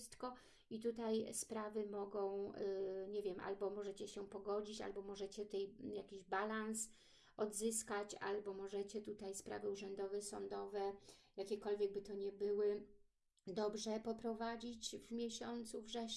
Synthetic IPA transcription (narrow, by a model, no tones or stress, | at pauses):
st̪kɔ | it̪ut̪ajspɾavɘmɔɡɔ̃w̃ɲɛvʲjɛmʔa̰lbɔmɔʐɛt͡ɕɛɕɛpɔɡɔd͡ʑit͡ɕa̰lbɔmɔʐɛt͡ɕɛt̪ɛjjakʲiʑbalans | ɔd̪zɘskat͡ɕa̰lbɔmɔʐɛt͡ɕɛt̪ut̪ajspɾa̰vɘuʐɛnd̪ɔvɛsɔnd̪ɔvɛjakʲɛkɔlvʲjɛɡ̚bɘt̪ɔɲɛbɘwɘ | d̪ɔbʐɛpɔpɾɔvad͡ʑit͡ɕvmʲjɛɕɔnt̪suvʐɛ